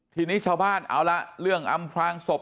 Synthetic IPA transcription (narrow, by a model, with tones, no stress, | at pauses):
t̪ʰiː˧niː˦˥˩t͡ɕʰaː˧wbaː˥˩nʔa̰ː˧˥˩wla˦˥ʔɾɯ˥˩əŋʔa˧mpʰɾaː˧ŋso˨˩p̚